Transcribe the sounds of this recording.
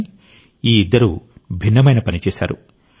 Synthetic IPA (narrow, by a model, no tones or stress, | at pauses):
i | iːid̪ːɐɾubʱinːɐmɐjnɐpɐnit͡ʃɛːsa̰ːɾu